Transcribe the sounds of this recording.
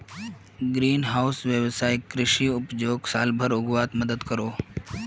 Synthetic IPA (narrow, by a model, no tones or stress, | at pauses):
ɡɾiːnɦawsʋjəʋsajkɾɪʂiːupd͡ʑoːɡsaːlbʱəɾʊɡʋat̪məd̪əd̪kəɾo